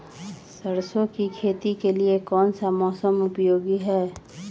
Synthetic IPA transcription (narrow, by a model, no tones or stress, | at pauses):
səɾsõkikʰeːt̪ikeliekɔːnsamɔːsəmʊpjoːɡiɦɛː